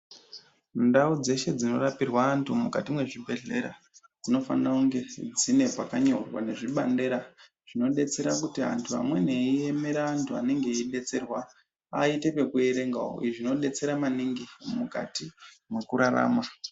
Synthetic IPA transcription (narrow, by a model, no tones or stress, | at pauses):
ndaud͡ze̞ʃe̞d͡zino̞rapirwaːntʰumukatimwe̞ʐibʱe̞ɮe̞ɾa̰ | d͡zino̞fa̰nrauŋɡe̞d͡zine̞pakaɲo̞rwa̰ne̞ʐiɓande̞ɾa | ʐ̥ino̞ɗe̞t͡se̞ɾakutia̰ntʰua̰mwe̞ne̞ieme̞ɾaːntʰua̰ne̞ŋɡe̞iɗe̞t͡se̞rwa | aite̞pe̞kue̞ɾe̞ŋɡa̰o̰iʐino̞ɗe̞t͡se̞ɾamaniŋɡimuka̰ti | mwe̞kuɾara̰ːma